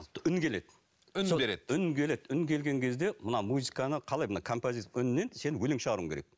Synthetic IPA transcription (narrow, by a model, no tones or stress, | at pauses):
ʏnkʲʰe̞le̞d̪ | seɾed̪ʏnkʲʰe̞le̞d̪ʏnkʲʰe̞lɡʲe̞ŋkʲʰe̞zd̪e̞mənɑmuzikanəqʰɑlˠɑjmənɑkʰo̞mpozisʏnːense̞nɪwɵlɪŋʃəʁɑɾuəŋkʲe̞ɾḛk̚